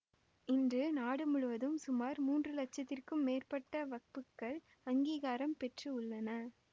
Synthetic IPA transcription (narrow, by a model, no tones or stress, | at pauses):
ɪndrɯnaːɽɯmʊɻʊʋɐðɯmsʊmaːɾmuːndrɯlɐt͡ʃːɐt̪ːɪrkɯmːeːrpɐʈːɐʋɐk̚pɯkːɐɭ | ɐŋɡiːɣaːɾɐmpɛʈrɯʊɭːɐnɐ